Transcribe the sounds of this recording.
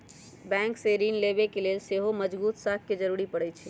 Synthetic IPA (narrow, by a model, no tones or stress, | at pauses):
bɛ̃ŋkseɾinlebekelelseɦoməd͡ʒbut̪sak̚ked͡ʒəɾuɾipəɽɛt͡ʃʰɛ